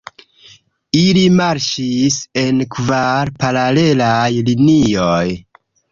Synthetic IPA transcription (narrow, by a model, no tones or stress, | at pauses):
ilimaɾʃise̞nkvaɾpaɾale̞lajlinioj